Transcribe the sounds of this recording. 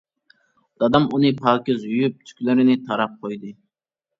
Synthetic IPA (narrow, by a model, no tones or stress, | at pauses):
d̪̥ɑd̪ɑmunɨpʰɑlˠkʲɪzyjyp̚t̪ʰy̥kʲlɪɾɪnɪt̪ʰɑɾɑp̚qʰojd̪ɨ